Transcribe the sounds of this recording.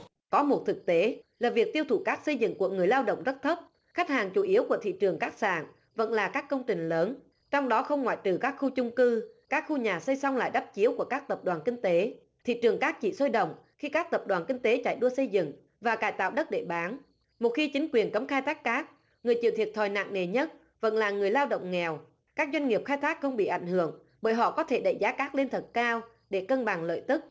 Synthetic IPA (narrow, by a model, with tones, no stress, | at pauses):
kɔ˨˦mo˨˩t̚t̪ʰɨ˨˩k̚t̪e˨˦laː˨˩vi˨˩ək̚t̪i˧əwt̪ʰu˧˩kaː˦˥k̚sə˧jzɨ̰˧˨ŋku˧˩əŋɨ˨˩əjlaː˧wɗə̰˧˨wŋ͡mzə˦˥t̚t̪ʰə˦˥p̚ | xa˦˥jk̟̚haː˨˩ŋt͡ɕu˧˩ʔi˨˦əwku˧˩ət̪ʰḭ˧˨t͡ɕɨ˨˩əŋkaː˦˥k̚sa̰ː˧˨n | və̰˧˥nlaː˨˩kaː˦˥kːə˧wŋ͡mt͡ɕï˨˩ŋ̟ləː˨˦n | t͡ɕɔ˧wŋ͡mɗɔ˨˦xə˧wŋ͡mŋwa̰ː˧˨jt͡ɕɨ˨˩kaː˦˥k̚xu˧t͡ɕʊ˧ŋ͡mkɨ˧kaː˦˥k̚xu˧ɲaː˨˩sə˧jsa˧wŋ͡mla̰ː˧˨jɗa˦˥p̚t͡ɕi˨˦əwku˧˩əkaː˦˥k̚t̪ə˨˩p̚ɗwaː˨˩nki˧ŋ̟t̪e˨˦ | t̪ʰḭ˧˨t͡ɕɨ˨˩əŋkaː˦˥k̚t͡ɕḭ˧˨so˧jɗə̰˧˨wŋ͡mxi˧kaː˦˥k̚t̪ə˨˩p̚ɗwaː˨˩nki˧ŋ̟t̪e˨˦t͡ɕa̰ː˧˩jɗu˧əsə˧jzɨ̰˧˨ŋ | vaː˨˩kaː˧˩jt̪a̰ː˧˨wɗə˦˥t̚ɗe˧˩ɓaː˨˦n | mo˨˩t̚xi˧t͡ɕï˨˦ŋ̟kwi˨˩ənkə˨˦mxaː˧jt̪ʰaː˦˥k̚ːaː˦˥k̚ | ŋɨ˨˩əjt͡ɕḭ˧˨t̪ʰi˨˩ət̚t̪ʰɔ˨˩jna̰˧˨ŋne˨˩ɲə˦˥t̚ | və̰˧˥nlaː˨˩ŋɨ˨˩əjlaː˧wɗə̰˧˨wŋ͡mŋɛ˨˩w | kaː˦˥k̚zwa˧jŋŋi˨˩əp̚xaː˧jt̪ʰaː˦˥k̚xə˧wŋ͡mɓḭ˧˨ʔa˧˩jŋ̟hɨ˧˨əŋ | ɓəː˧˩jɦɔ̰˧˨kɔ˨˦t̪ʰe˧˩ɗə̰˧˩zaː˨˦kaː˦˥k̚le˧nt̪ʰə˨˩t̚kaː˧w | ɗe˧˩kə˧nɓa˨˩ŋlə̰ː˧˨jt̪ɨ˦˥k̚